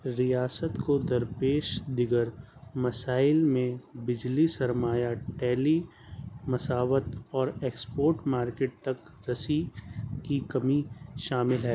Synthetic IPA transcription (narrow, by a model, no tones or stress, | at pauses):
ɾijaːsət̪kod̪ɐɾpeːʃd̪ɪɡəɾmɐsaːɪlmẽbɪd͡ʒlisɐɾmaːjaʈɛːli | mɐsaːʋət̪ɔːɾeːkspoːɾʈmaːɾkeːʈ̚t̪ɐk | ɾɐsikikɐmiʃaːmɪlɦɛː